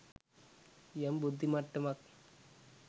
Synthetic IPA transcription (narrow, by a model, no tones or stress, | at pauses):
jɐmbud̪ʱːimɐʈːɯmɐk̚